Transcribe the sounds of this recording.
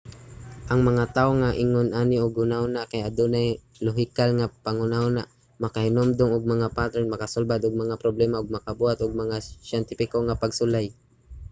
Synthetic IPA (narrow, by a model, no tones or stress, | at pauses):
ʔɐŋmɐŋat̪aːʔoŋaʔɪŋonʔanɪʔʊɡhʊnaʊnaʔkajad̪onaj | lʊɦɪkalŋapaŋʊnaʊnaʔ | mɐkahɪnomd̪ʊŋʊɡ̚mɐŋapat̪ɾɛnmɐkasolbad̪ʊɡ̚mɐŋapɾoblɛmaʔʊɡ̚mɐkabuhat̪ʊɡ̚mɐŋaʃjɛnt̪ɪfɪkoŋapaɡsʊlaj